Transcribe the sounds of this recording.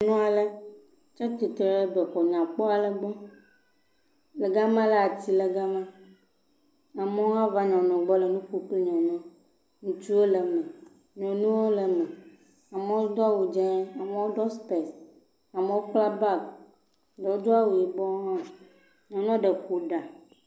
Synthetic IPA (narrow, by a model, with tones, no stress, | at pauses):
nũ˦a˨lɛ˦ | t͡ʃa˦t̪i˨t̪e˨ɾɛ˦bɛ˨xɔ˨ɲã˨k͡pɔ˦a˨lɛ˦ɡ͡bɔ˦ | lɛ˨ɡa˦mã˦la˨a˨t̪i˦lɛ˨ɡa˦mã˦ | a˨mẽ˦wo˦a˦va˦ɲɔ̃˨nɔ̃˨ɡ͡bɔ˦lɛ˨nũ˦ku˦k͡pli˦ɲɔ̃˨nɔ̃˦ | nũ˨t͡ʃu˦e˦lɛ˨mɛ̃˨ | ɲɔ̃˨nũ˦wo˦lə˨mɛ̃˨ | a˨me˦wo˦d̪ɔ˦a˦wu˨d͡ʒɛ˦a˨me˦wo˦ɖɔ˦spɛ˨s | a˨me˨wo˦k͡pla˦ba˦k̚ | ɖɛ˨wo˦d̪o˦a˦wu˨ji˨bɔ˦ɦã˦ | ɲɔ̃˨nɔ̃˦ɖə˨xu˨ɖa˨